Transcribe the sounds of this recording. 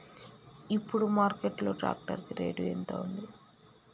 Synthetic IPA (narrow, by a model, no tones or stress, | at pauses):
ipːuɽumaːɾkeʈlo̞ːʈɾa̰ːk̚ʈɐ̰ɾkiɾe̞̰ːɖuent̪o̰ːund̪i